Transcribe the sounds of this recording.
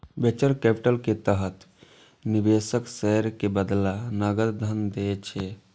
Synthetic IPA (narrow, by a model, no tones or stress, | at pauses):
bet͡ʃəɾkɛpiʈəlket̪əɦət̪ʰ | nibeːsəksɛɦɾkebəd̪lanəɡəɾd̪ʱənd̪et͡ʃʰe